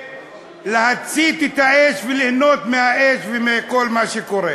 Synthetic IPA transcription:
lehat͡sit̪et̪haeʃvelihno̞t̪mehaeʃvemeko̞lmaʃeko̞ʁe

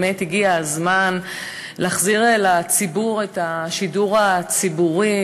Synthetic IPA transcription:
methiɡiazman | laːχziʁelat͡sibuʁe̞taʃiduʁat͡sibuʁi

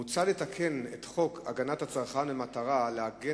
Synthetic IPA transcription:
ut͡salet̪akʰe̞net̪χo̞kʰaɡanathat͡sʁχamemataʁaleaɡe

